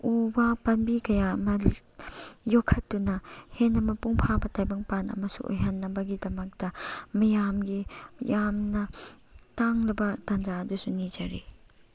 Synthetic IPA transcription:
ubapɐnbikɐjaɐmɐ | jokʰːɐtːunɐhenːɐmɐpuŋpʰabɐtajbɐŋpanɐ̰mɐsṵʔo̰jɦɐnːɐbɐɡidɐmɐk̚dɐmɐjamɡijamnɐ | taŋlɐbɐtɐnd͡ʒaːdusunid͡ʒɐɾi

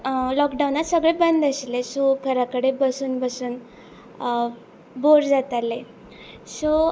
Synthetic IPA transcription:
lɔkɖaunat̪səɡɭebənd̪əɕlesokʰəɾakəɽebəsuːnbəsuːn | boɾd͡zat̪ale | so

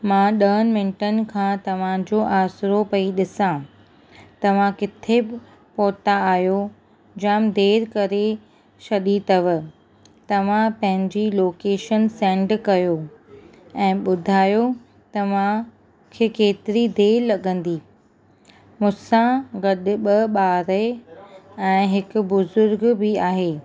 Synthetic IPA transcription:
mãːɗɐɦənmɪ̃nɪʈənɪ̆kʰãːt̪ɐʋ̤ãd͡ʑoːʔaːsɾopɐiɗɪsã | t̪ɐʋ̤ãkɪt̪ʰebɪ | poːt̪aaːjo | d͡ʑaːmd̪eːɾkɐɾe | ʃɐɗit̪ɐʋə̆ | t̪ɐʋ̤ãpɐ̃ɦɪ̃ɲd͡ʑiloːkeːʃənsɛ̃ːɳɖkɐjo | ɛ̃ːɓʊd̪ʱaːjo | t̪ɐʋ̤ã | kʰeːkeːt̪ɪɾid̪ʱeːlɐɠə̃nd̪iː | mʊsãɡɐɗɓɐɓaːɾe | ɛ̃ːɦɪkʊ̆bʊzʊɾɡbɪaːɦeː

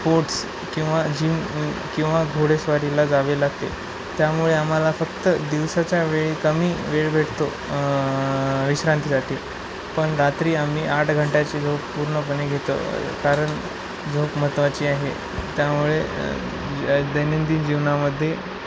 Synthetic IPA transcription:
poɾʈs | kĩw̃ʋad͡ʑiːkĩw̃ʋaɡʱoɽesʋaɾilad͡zaʋelaɡ̚t̪e | t̪jamuɭeam̤alafəkt̪əd̪iʋsat͡ɕjaʋeɭikəmiːʋeɭbʱeʈʰt̪o | ʋiɕɾant̪isaʈʰiː | pəɳɾat̪ɾiːam̤iːʔaʈʰɡʱəɳʈjat͡ɕed͡zʱokpuɾɳəp̬əneɡʱet̪o̰kaɾəɳ | d͡zʱokm̤ət̪ʋat͡ɕiːaɦḛ | t̪jamuɭe | d̪əjnənd̪iːnd͡ʑiʋnaməd̪ʱːje

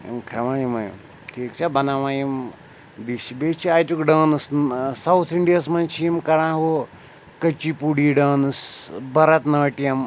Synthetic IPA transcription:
ḭmkʰɾɐmajimɐjḭm | ʈʰiːkt͡ʃʰabɐnaʋaːjim | biʃibet͡ʃʰiajtukɖɐːnɨssɐwt̪ʰiɳɖijɐsmɐnt͡ʃʰijimkɐɽãːɦo | kɐt͡ʃipuɽiːɖɐːnɨsbɐɾɐt̪nɐːʈijɐm

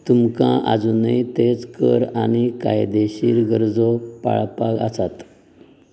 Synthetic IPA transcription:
t̪umkãʔa̰d͡zunəjt̪et͡skəɾañika̰jd̪eɕiːɾɡəɾd͡zɔpa̰ɭpaɡasat̪

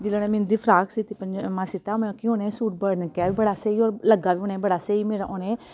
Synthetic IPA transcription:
d͡ʒɪlõːneːmɪnːd̪iːpʰɾaːksit̪iːpənd͡ʒmãːsit̪aːmẽkiõːnẽːsuːʈ̚bəɽnkaːʋiːbəɽaːseːiːoːɾləɡaːʋiːoːnẽːbəɽaːseːiːmeːɾaʔoːneː

